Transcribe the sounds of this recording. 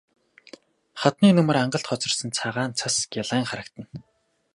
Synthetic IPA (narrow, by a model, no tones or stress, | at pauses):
χat̪niːnɵmɵ̆raɴɢə̆ɬt̪χɔt͡sɞ̆rsə̆nt͡sʰaʁaːnt͡sʰasɡʲaɮaːŋχaɾə̆k̚t̪ə̆n